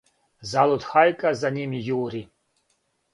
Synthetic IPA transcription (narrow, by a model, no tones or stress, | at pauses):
zalˠɔt̪xajkazanʲimʲijuɾʲi